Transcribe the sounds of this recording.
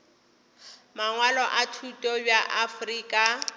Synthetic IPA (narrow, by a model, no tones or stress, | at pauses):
maŋwalɔʔatʰutʼɔbaʔafriːkʼa